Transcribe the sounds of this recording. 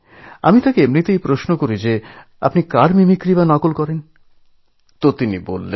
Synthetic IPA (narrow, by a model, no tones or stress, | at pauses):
a̰mit̪akeemɾit̪ejpɾoʃnokoɾid͡ʑe | a̰pnikaɾmimikɾibanɔkolkɔɾen | t̪ot̪inibo̰lːe